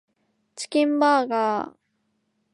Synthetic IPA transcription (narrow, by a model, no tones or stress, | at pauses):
t͡ɕi̥kʲĩmbaːɡaː